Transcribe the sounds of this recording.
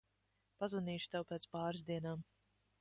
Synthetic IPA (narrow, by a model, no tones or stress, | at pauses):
pazvaniːʃu̥t̪ɛwpɛːt̪spaːɾɨzd̪iɛnaːm